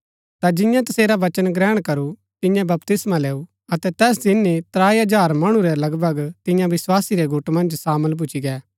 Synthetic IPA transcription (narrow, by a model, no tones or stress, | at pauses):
t̪ad͡ʒɪ̃jãt̪ɐseːɾaʋɐt͡ʃənɡɾɛːɽ̃kɐɾu | t̪ɪ̃jãbɐpt̪ɪsmãlɛːu | ɐt̪ɛt̪ɛːs̬d̪ɪnːit̪ɾaːiɐd͡ʒaːɾmɐɽ̃uɾɛlɐɡbʱɐɡt̪ɪ̃jãʋɪswaːsiɾɛɡʊʈmɐ̃nd͡ʒsaːməlp̬ʊt͡ʃiɡɛː